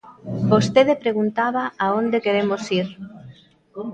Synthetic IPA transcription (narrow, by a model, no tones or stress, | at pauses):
bost̪eðepɾeɣunt̪aβaaond̪ekeɾemosiɾ